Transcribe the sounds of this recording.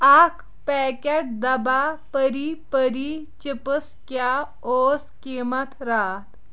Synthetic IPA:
ak | pɛkeʈ̚d̪ɐbapəɾipəɾi | t͡ʃipəskja | oskimat̪ɾat̪

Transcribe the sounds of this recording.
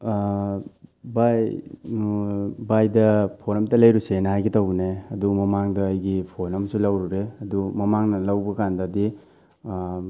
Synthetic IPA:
baj | bajdɐpʰoɾɐmtɐlɐjɾusenɐɦajɡitawneɐdumɐmaŋdɐːjɡipʰonɐmsulawɾuɾeɐdumɐmaŋnɐlawbɐkandɐdi

